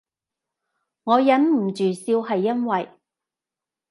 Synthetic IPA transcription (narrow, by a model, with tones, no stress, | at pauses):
ŋɔː˨˧jɐ˨˥nm̩˨˩t͡ʃyː˨˩siː˧whɐ˨jːɐ˥nwɐ˨j